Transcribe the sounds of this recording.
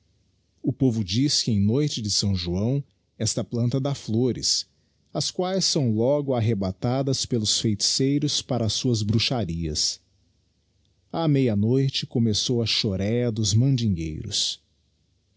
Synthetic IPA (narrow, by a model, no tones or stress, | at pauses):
ʊpovʊd͡ʒiskɪẽj̃nojt͡ʃɪd͡ʒɪsɐ̃w̃ʒuɐ̃w̃ | ɛst̪ɐplɐ̃nt̪ɐd̪ɐfloɾɪ̰s | ɐskwajsːɐ̃w̃lɔɡʊaɦebat̪ad̪ɐspelʊsfejt͡ʃi̥sejɾʊspaɾɐːsuɐzbɾuʃaɾiɐ̰s | amejɐnojt͡ʃɪkomesowɐʃoɾɛɐd̪ʊzmɐ̃nd͡ʒĩŋɡḛjɾʊ̰s